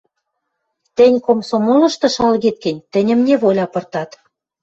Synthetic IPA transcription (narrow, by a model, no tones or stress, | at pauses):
t̪ĕnʲkomsomolɤ̆ʃt̪ɤ̆ʃɑlɣit̪̚kɘ̆nʲt̪ɘ̆nʲə̆mnʲeβolʲɑpɤ̆rt̪ɑt̪